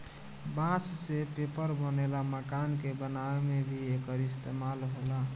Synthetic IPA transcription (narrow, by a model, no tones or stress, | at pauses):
bãssepepəɾbənelaməkankebənaemebʱiekəɾist̪emalɦola